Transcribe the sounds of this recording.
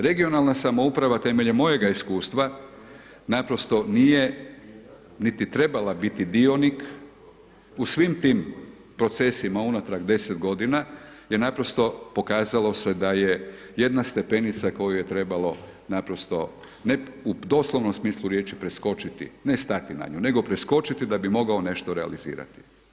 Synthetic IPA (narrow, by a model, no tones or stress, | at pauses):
ɾe̞ɡio̞nalˠnasamo̞upɾaʋat̪e̞me̞ʎemːo̞je̞ɡaiskuːst̪ʋa | napɾo̞st̪o̞nije̞ | nit̪it̪ɾe̞balabit̪id̪io̞nik | usʋimt̪iːm | pɾo̞t̪se̞simaunat̪ɾaɡd̪e̞set̪ɡo̞d̪inajenapɾo̞st̪o̞po̞kaːzalo̞se̞d̪aje̞ | je̞d̪nast̪e̞pe̞nit̪sako̞juje̞t̪ɾe̞balo̞ | napɾo̞st̪o̞̰ | neud̪o̞ːslˠoʋnomsmiːslˠuɾje̞ːt͡ʃipɾe̞sko̞t͡ʃit̪ḭne̞st̪at̪ina̰ɲṵne̞ɡo̞pɾe̞sko̞t͡ʃit̪id̪abimo̞ɡao̞ne̞ʃt̪o̞ɾea̰lizḭːɾa̰t̪i̥